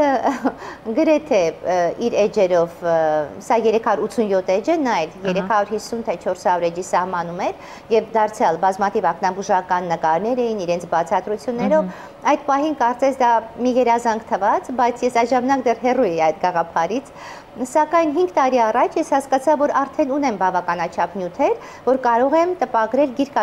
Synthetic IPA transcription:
ɡəɾɛt̪ʰɛiɾɛd͡ʒɛɾɔvsɑjɛɾɛkʰɑjuɾut̪t͡sʰːunjɔt̪ʰɛd͡ʒənɑɛljɛɾɛtkʰɑɾuɾhisːunt̪ʰɛt͡ʃʰɔɾsɑuɾɛd͡ʒisɑhmɑnumɛɾ | jɛvd̪ɑɾt͡sʰjɑlbɑzmɑt̪ʰivɑknɑbuʒɑkɑnːəkɑɾnɛɾɛjiniɾɛnt͡sʰbɑt͡sʰɑt̪ɾut͡sʰjunːɛɾɔv | ɑjt̪pɑɦinkɑɾt͡sɛsʰd̪ɑmijɛɾɑzɑŋkt̪ʰəvɑt͡sbɑjt͡sʰjɛsɑjt̪ʒɑmɑnɑkd̪ɛrɦɛrujɛjiɑjt̪ɡɑʁɑpʰɑɾit͡sʰ | sɑkɑjnɦiŋɡt̪ɑɾiɑrɑt͡ʃʰjɛshɑskɑt͡sʰɑvːɔɾɑɾt̪ʰɛnunɛmbɑvɑkɑnɑt͡ʃʰɑpnjut̪ʰɛɾ | vɔɾkɑɾɔʁɛmt̪əpɑɡɾɛlɡiɾkɑ

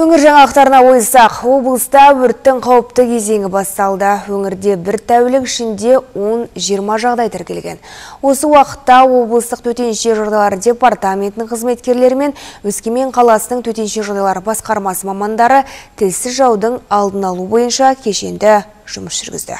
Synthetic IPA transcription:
wɵŋɪɾʒɑɴɑlˠəqt̪ɑɾənɑwo̞jsɑqwo̞blˠəst̪ɑwɵɾt̪ːɪŋqʰɑwəp̚t̪əkʲʰe̞ze̞ŋʲɪbɑst̪ɑlˠd̪əwɵŋɪɾd̪e̞bɪɾt̪ʰæwlɪkɪʃɪnd̪e̞wo̞nʒijəɾmɑʒɑʁd̪ɑjt̪ʰæɾkʲe̞lɡʲe̞̰nwo̞səwɑqə̥t̪ːɑwo̞blˠəst̪əq̚t̪ʰɵt̪e̞nʃe̞ʒo̞ɾd̪ɑlˠɑɾəd̪e̞part̪amʲe̞nt̪ɪnɪɴqʰəzme̞t̪kʲe̞ɾle̞ɾɪme̞nwɵskʲeme̞ɴqʰɑlˠɑsənəɴt̪ʰɵt̪e̞nʃe̞ʒoɾd̪ɑlˠɑɾəbɑsqɑɾmɑsəmɑmɑnd̪ɑɾət̪ʰɪlsɪzʒɑwd̪əɴɑlˠd̪ənɑlˠubo̞jənʃɑkʲʰe̞ʃe̞nd̪ɪ | ʒ̥ʊməsʒ̥ʏɾɡʲɪ̰zd̪ɪ̰

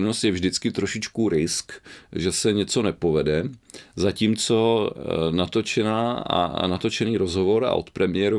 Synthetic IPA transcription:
nost̪jɛvʒdɪt͡skɪt̪ɾoʃɪt͡ʃkuɾɪskʒɛsɛɲɛt͡so̞nɛpo̞vɛdɛzaciːmt͡so̞ | nat̪o̞t͡ʃɛnaːa̰nat̪o̞t͡ʃɛniːɾozɦo̞vo̞ɾa̰ʔot̪pɾɛmɪjɛɾo

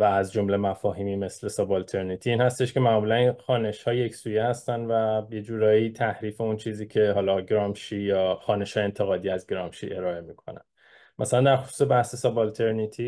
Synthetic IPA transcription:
væːzd͡ʒo̞mle̞mæfɒːɦiːmiːme̞slesɒbɒlt̪ʰe̞ɾnit̪ʰiiːnhæst̪e̞ʃce̞mæʔmuːlæninxɒːne̞ʃhɒːjeje̞csuːje̞hæst̪ænvæje̞d͡ʒuːɾɒːjiːt̪ʰæhɾiːfe̞unt͡ʃʰiːziːcʰe̞ɦɒːlɒːɡɾɒːmʃiːjɒːxɒːne̞ʃhɒːjeent̪ʰe̞ɣɒːd̪iːæzɡɾɒːmʃḭʔe̞ɾɒːe̞miːkʰo̞̰næ̰n | mʔæsælænd̪æɾxo̞su̥se̞bæhse̞sɒbɒlt̪ʰe̞ɾnit̪ʰiː

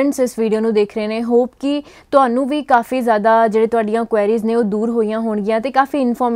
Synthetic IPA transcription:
əɳʈsɪsʋiːɖijoːnũːd̪eːkʰɾeːneːɦoːpkɪ | t̪ʊɦaːnũːʋiːkaːfiːzjaːd̪aːd͡ʒeːɽeːt̪ʊaːɖɪjãːkʊʋɛːɾiːznẽːoːd̪uːɾɦoːijãːɦoːɳɡɪjãːt̪eːkaːfiːɪnfʰɔːɾm

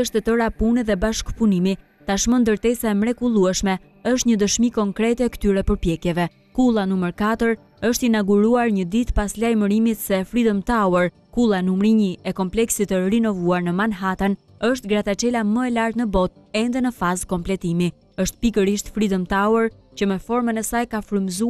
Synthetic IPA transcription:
əʃt̪ət̪əɾapunɛðɛbaʃkpunimi | t̪aʃmənd̪əɾt̪ɛsaɛmɾɛkulˠuɛʃmɛ | əʃ̬t̪ɲəd̪əʃmikɔŋkɾɛt̪ɛkə̥t̪yɾɛpəɾpjɛkjɛvɛ | kulˠanuməɾkat̪əɾ | əʃt̪inaɡuɾuaɾɲəd̪it̪paslajməɾimit̪sɛfɾid̪əmt̪awəɾ | kulˠanumɾiɲiɛkɔmplɛksit̪ərinɔvuaɾnəmanɦat̪ən | əʃt̪ɡɾat̪at͡ʃɛlaməɛlaɾt̪nəbɔt̪̚ | ɛnd̪ɛnəfazkɔmplɛt̪imi | əʃt̪̚pikəɾiʃt̪fɾid̪əmt̪awəɾ | cəmɛfɔɾmənɛsajkafɾəmzu

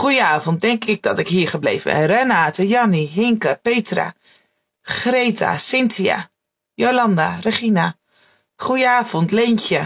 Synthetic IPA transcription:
χujəaːvɔnt̚dɛŋkɪɡ̚dɑtɪkɦiːɹχəblḛjvə̰nrɛnaːtəjɑniɦɪŋkəpejtra̰ | χrejta̰sɪntʰia̰ | jolɑndarəχina | χujəaːv̥ɔntlejncə

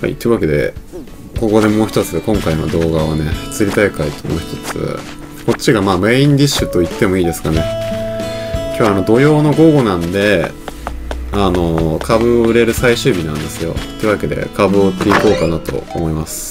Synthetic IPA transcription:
ha̰ḭt̪ːoiɯ̟βake̞d̪e̞̰ | ko̞ko̞d̪e̞mo̞ːçʲi̥t̪o̞t͡sɨkõ̞ŋkaino̰d̪o̞ːɡaβane̞çɨ̥t͡sɨɾʲit̪aikait̪o̞mo̞̰ːçi̥t̪o̞t͡sɨ̰ | ko̞tt͡ɕːiɡamaːme̞ːĩɲd̪iɕɨt̪o̞it̪ːe̞mo̞iːd̪e̞sɨ̥kane̞ | kʲo̞ːβanod̪o̞jo̞ːno̞ɡo̞ɡo̞nãnd̪e̞ | ano̞kʰabɯ̟oɯ̟ɾe̞ɾɯ̟saiɕɨːbʲinãnd̪e̞sɨjo̞̰t̪ːoi̟βake̞d̪e̞̰kʰabɯ̟ot̪ːe̞iko̞ːkanat̪o̞̰o̰mo̞imasɨ̥

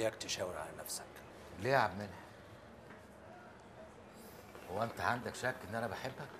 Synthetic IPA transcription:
jækt̪eʃæːweɾʕa̰lænæfsæ̥k | leːʕabmenhæ | howːæʔent̪æʕand̪ækʃækːʔenːʔænæbeħebːhæ

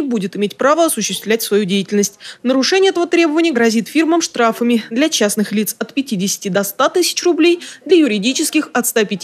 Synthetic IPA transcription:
ɪbudʲɪt̪ɪmʲetʲpɾavəɐsʊɕːɪst̪vlʲætʲsvɐjudʲejɪtʲɪlʲnəsʲtʲnəɾʊʂɛnʲɪjəɛt̪əvət̪ɾʲe̞bəvənʲɪjəɡɾɐzʲit̪fʲirməmʂt̪ɾafəmʲɪd̪lʲɐt͡ɕasnɨxlʲit̪sɐt̪pʲɪtʲidʲɪsʲɪ̥tʲɪd̪ɐst̪at̪ɨsʲɪ̥t͡ɕrʊblʲejd̪lʲɐjʊɾʲɪdʲit͡ɕɪskʲɪxɐt̪st̪apʲɪtʲi

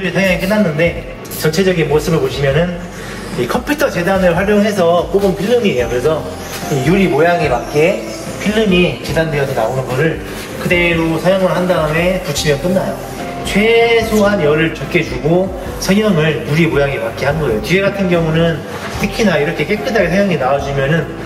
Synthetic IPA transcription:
ɯɭsʰʌɲjʌŋik͈ɯnːanːɯnde̞ | t͡ɕʌnt͡ɕʰe̞d͡ʑʌɡinmoɭs͈ɯmɯɭpoɕʰimjʌnɯn | ikʰʌmpʰjutʰʌt͡ɕe̞danɯɭɸwaɾjoŋɦe̞s̬ʰʌp͈oɡɯnpʰiɭːɯmiɦejokɯɾe̞sʰʌ | ijuɾimojaɡepak̚k͈e | pʰiɭːɯmit͡ɕedandeʌd͡ʑinaonɯnɡʌɾɯɭ | kɯde̞ɾosʰʌɲjʌŋɯɭɦandaɯme̞put͡ɕʰimjʌnk͈ɯnːajo̰ | t͡ɕʰwe̞sʰoɦanjʌɾɯɭt͡ɕʌp̚k͈ed͡ʑuɡo | sʰʌɲjʌŋɯɭjuɾimojaɡepak͈eɦanɡʌejot͡ɕieɡatʰɯnɡjʌŋunɯn | tʰɯkʰinaiɾʌkʰe̞k͈ek͈ɯdaɡesʰʌjʌŋinaod͡ʑimjʌnɯn

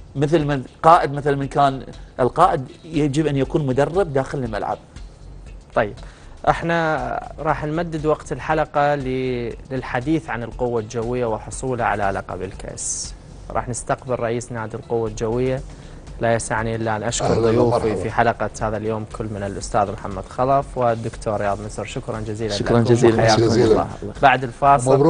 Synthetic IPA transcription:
mɪθlmanqɑːʔɪd̪̚mɪθlmɪnkaːnʔɪlqɑːʔɪd̪jad͡ʒɪbʔanːjakuːnmʊd̪ɑrˤːɪbd̪aːxɪlɪlma̰lʕa̰b̚ | t̪ˤɑjːɪb̥ʔɪħnaɾˤɑːħnmad̪ːɪd̪wɑqt̪ɪlħalɑqɑlilɪlħad̪iːθʕanɪlqʊwːald͡ʒawːɪjːawɪħʊsˤuːlaʕa̰laʔla̰qɑ̰bɪlka̰ʔs | ɾˤɑ̰ːħnɪst̪aqbɪlɾˤɑʔiːsnaːd̪ɪlqʊwːald͡ʒawːɪjːa | lajasaʕniʔɪlːaʔanʔaʃkʊɾˤðˤʊjuːfifiħalɑqɑhaːðaljoːmkʰʊlːmɪnɪlʔʊst̪aːðmħamːad̪xɑlˤɑfwɪd̪ːʊkt̪ʰoːɾɪjɑːðˤmɪsɾʃʊkɾˤɑnd͡ʒaziːlaaɾaiːajaːkʊmːɑ̰ːbaʕd̪ɪlfɑːsˤ

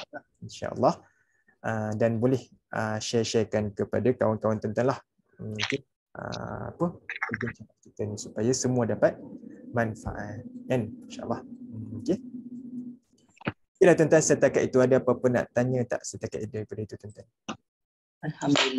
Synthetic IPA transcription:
a | inʃa̰ʔə̰lːɑh | ədanbolɛh | ʔəʃɛʃɛrkankəpadakawankawant̪ənt̪anlah | uke | ʔə̰a̰pəbəɡunt͡ʃanaʔ̚kit̪ənĩsupajasəmũadapat̪̚manfa̰ʔat̪̚janinʃaʔə̰lˠˤːɑhuken | kilaht̪ənt̪ansət̪akat̪it̪uadaapapənːa̰ʔt̪aɲə̃t̪a̰ʔsət̪aka̰t̪idaɾipadait̪ut̪ənt̪an | alhamdul

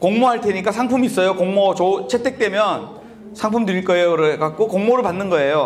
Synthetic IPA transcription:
koŋmoɦaɭt͈ʰeɲik͈asʰaŋpʰumis͈ʌjokoŋmot͡ɕot͡ɕʰetʰe̞k̚t͈we̞mjʌn | sʰaŋpʰumdɯɾik͈ʌeoɾekak̚k͈okoŋmoɾɯɭpanːɯnɡʌe̞jo

